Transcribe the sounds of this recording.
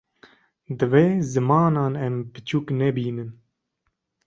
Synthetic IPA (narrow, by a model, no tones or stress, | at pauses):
d̪ɨveːzɨmɑːnɑːnɛmbɨt͡ʃʰuːknɛbiːnɨn